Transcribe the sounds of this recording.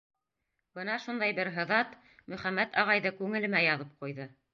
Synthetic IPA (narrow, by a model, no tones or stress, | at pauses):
b̥ɤnɑʃund̪ɑjbɘɾɦɤ̆ðɑt̪ | mɵ̆χæmːæt̪ɑʁɑjðɤkʉŋɘ̆lɘ̆mæjɑðɤp̚qujðɤ